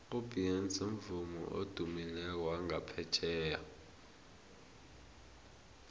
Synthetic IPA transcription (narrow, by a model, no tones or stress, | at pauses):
ub̥ʱʼient͡sʼom̩vumṵʔo̰d̥ʱumilɛk̬waŋapʰɛt͡ʃʰɛːja